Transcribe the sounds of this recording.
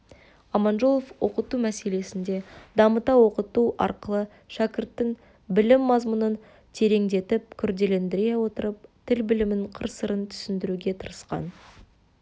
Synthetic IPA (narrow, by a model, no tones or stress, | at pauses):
ɑmɑnʒolˠofwo̞qət̪umæse̞le̞sɪnd̪e̞d̪ɑmət̪ɑwo̞qət̪uʔɑ̰ɾqəlˠə | ʃækʲɪɾt̪ːɪŋ | bɪlɪmːɑzmʊnən | t̪ʰe̞ɾe̞ŋd̪e̞t̪ɪp̚kʲʰʏɾd̪e̞le̞nd̪ɪɾe̞wo̞t̪əɾəp̚t̪ʰɪlbɪlɪmɪɴqʰəɾsəɾənt̪ʰʏ̥sɪnd̪ɪɾuɡʲe̞t̪ʰəɾəsqɑ̰n